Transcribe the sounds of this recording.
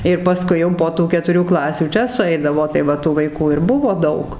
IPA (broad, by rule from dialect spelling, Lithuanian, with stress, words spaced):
ɪr pɐˈskʊɪ jɛʊ poː ˈtuː kʲɛtʊˈrʲuː ˈklˠɑːsʲuː ˈt͡ʃʲɛ sʊˈɛɪdɐʋoː tɐɪ ˈʋɐ tuː ʋɐɪˈkuː ɪr ˈbʊʋoː ˈdɐʊk